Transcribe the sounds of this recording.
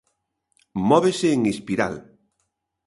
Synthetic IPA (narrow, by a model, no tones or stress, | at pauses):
mɔβeseːŋespiɾa̰l